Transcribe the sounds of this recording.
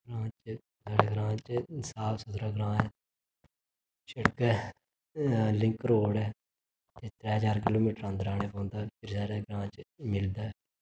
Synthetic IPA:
ɡɾãːt͡ʃ | saːɽeːɡɾãːt͡ʃsaːbsʊt̪ɾaːɡɾãːɛː | ʃəɽkɛː | lɪ̃ŋkɾoːɽɛː | t̪eːt̪ɾɛːɦəd͡ʒaːɾkɪloːmiːʈəɾãːnd̪əɾaːneːpãːnd̪aːpʰɪɾsaːɽeːɡɾãːt͡ʃmɪld̪aːɛ

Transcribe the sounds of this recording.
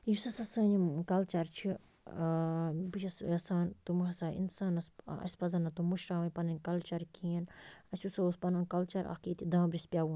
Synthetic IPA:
jusɐsɐsɐːnimkɐlt͡ʃɐɾt͡ʃʰi | but͡ʃɐsɐsaːnt̪umɦɐsaːḭnsaːnɐsɐ̰sʲpɐzɐnɐt̪umuʃɾaːʋɐnpɐnɐnʲkɐlt͡ʃɐɾkʰiɐnɐsʲusɐospɐnɐnkɐlt͡ʃɐɾʔa̰kiːt̪ʰid̪ãːbɾispʲjawun

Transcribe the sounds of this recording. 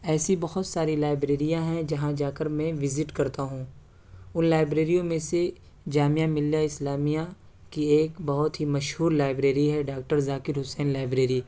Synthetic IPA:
ɛːsibɐɦʊt̪saːɾilaːɪbɾeːɾijãɦɛ̃d͡ʒɐɦãd͡ʒaːkəɾmɛ̃ʋɪzɪʈkɐɾt̪aɦũː | ʊnlaːɪbɾeːɾijõmẽse | d͡ʒaːmijamɪlijaɪslaːmija | kieːkbɐɦʊt̪ɦimɐʃɦuːɾlaːɪbɾeːɾiɦɛɖaːk̚ʈəɾzaːkɪɾɦʊsɛːnlaːɪbɾeːɾi

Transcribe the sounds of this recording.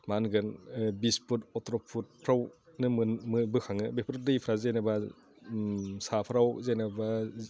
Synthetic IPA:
manɡɯnbisputɔtɾɔpʰut̚pʰɾawnɯmɯmɯbɯkʰaŋɯbepʰɾɯdɯjpʰɾazejnaba | sapʰɾawzejnaba

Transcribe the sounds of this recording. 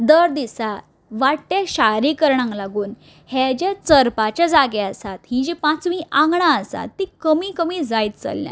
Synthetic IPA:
d̪əɾd̪isa | ʋaʈt̪eɕaɾiːkəɾɳãŋklaɡuːn | hɛd͡ʑet͡səɾpat͡ɕjad͡zaɡɛəsat̪hĩd͡ʑipãt͡sʋiːʔãŋɡɳaəsa̰t̪ːikəmiːkəmiːd͡zajt̪t͡sə̰lːja̰

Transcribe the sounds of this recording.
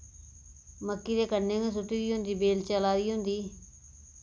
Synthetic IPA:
məkːiːd̪eːkənːẽːɡẽːs̬ʊʈːiːd̪iːɦõʊnd̪iːbeːlt͡ʃəlaːɾiːɦʊ̃nd̪iː

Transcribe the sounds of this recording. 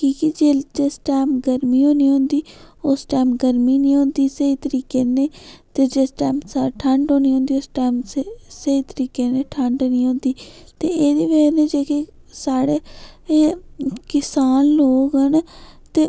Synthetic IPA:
kiːkid͡ʒeːd͡ʒesʈaːmɡəɾmiːɦoːniːõːnd̪iːʊsʈaːmɡəɾmiːnĩːɦõːnd̪iːsəiːt̪əɾiːkeːneːt̪eːd͡ʒeːsʈaːmsaːʈʰəɳɖɦõːniːɦõːnd̪iːosʈaːmsəiːt̪əɾiːkeːneːʈʰəɳɖːnĩːɦõːnd̪iːt̪eːeːd̪iːʋeneːd͡ʒeːke | saːɽeː | kɪsaːnloːkɦənt̪eː

